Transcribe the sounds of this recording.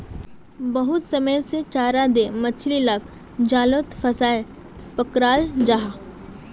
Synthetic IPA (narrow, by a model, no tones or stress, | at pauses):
bəɦʊt̪səməjset͡ʃaːɾad̪emət͡ʃʰlilak | d͡ʒaːlot̪fʰəsaːe | pəkɾaːld͡ʒaɦa